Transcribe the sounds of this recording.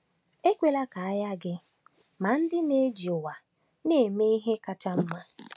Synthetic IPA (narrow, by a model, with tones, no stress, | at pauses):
e˦kʷe˦la˦ka˨a˦ja˦ɡɪ˦ | ma˨n̩˦dɪ˦ne˦d͡ʒi˨ʊ˨wa˨ | ne˦˨e˨me˦i˦ɦe˦ka˦t͡ʃa˦m̩˦ma˦